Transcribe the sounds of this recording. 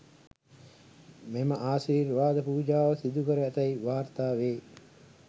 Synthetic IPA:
meməʔaːsiːrʋaːd̪əpuːd͡ʒaːʋəsid̪ukəɾəɛt̪ɐiʋaːrt̪aːʋeː

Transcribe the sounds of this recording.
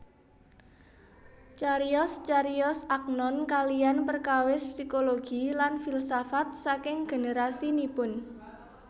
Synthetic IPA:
t͡ʃaɾiɔst͡ʃaɾiɔsak̚nɔnkalijanpərkawɪspsikoloɡ̥ilanfilsafat̪̚sakɪŋɡ̥e̤neɾasinipʊn

